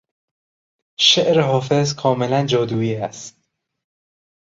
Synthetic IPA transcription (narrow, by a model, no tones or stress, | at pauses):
ʃeʔɾeɦɒːfezkʰɒːmelænd͡ʒɒːd̪uːiːæst̪̚